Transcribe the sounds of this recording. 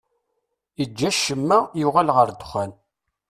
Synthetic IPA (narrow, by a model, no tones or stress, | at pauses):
id͡ʒːæʃəmːæjuʁælʁəɾd̪χæn